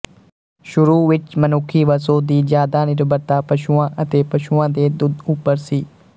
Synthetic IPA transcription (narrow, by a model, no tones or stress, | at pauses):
ʃʊɾuːʋɪt͡ʃmənokʰiːʋəsoːd̪iːd͡ʒjaːd̪aːnɪɾbəɾt̪aːpəʃuːãːʔət̪eːpəʃuãːd̪eːd̪ʊd̪ʊpːəɾsiː